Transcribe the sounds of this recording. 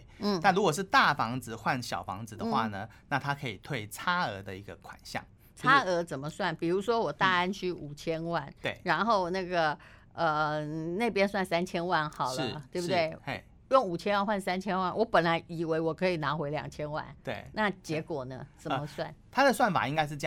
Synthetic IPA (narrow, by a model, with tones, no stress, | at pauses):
n̩˥˩na˥˩ɻu˧˥kwɔ˨˩ʂɻ̩˥˧t̪a˥˩fɑ˧˥ŋd͡zɹ̩˧xwa˥˩nɕjɑ̰˨˩ʊfɑ̰˧˥ŋd͡zɹ̩˨d̪ə˧xwa̰˥˧nə˩na˥˨t̪ʰa˦kʰɤ˧˥ḭ˨˩t̪ʰwe˥˩iɪt͡sʰa˥ə˧˥d̪ə˧i˧˥ɡə˧kʰwa̰˨˩nɕjɑ̰˥˩ŋ | t͡sʰa˥ə˧˥t͡sə˨˩mə˦swa˥˩npi˨˩ɻu˧˥ʂwɔ˥wɔ˨˩t̪a˥˧a˥nt͡ɕʰy˥˩u˨˩t͡ɕʰjɛ˥nwa˥˩nwe˥˩ɻa˧˥nxo˥˧ʊna˥˩ɡə˩ | ə˨˩ne˥˩ɪpjɛ˥nswa˥˩nsa˥nt͡ɕʰjɛ˥nwa˥˩nxɑ˨˩ʊlə˥˦t̪we˥˩bu˧t̪we˥˩ɪ˧ | jʊ˥˩ŋu˨˩t͡ɕʰjɛ˥nwa˥˧nxwa˥˩nsa˥nt͡ɕʰjɛ˥nwa˥˩nwʔɔ˧˦˥pə˨˩nla˧˦ɪi˨˩we˧˥ɪwɔ˨˩kʰɤ˧˥i˨˩na˧˥xwe˧˥ɪljɑ̰˨˩ŋt͡ɕʰjɛ˥nwa̰˥˩nt̪we˥˩ɪna˥˩t͡ɕjɛ˧˥kwɔ˨˩nə˦t͡sə˨˩mə˦swa˥˩nt̪ʰa˥d̪ə˨swa˥˩nfa̰˨˩i˦˥ŋka˥ɪʂ̬ɻ̩˥˧˥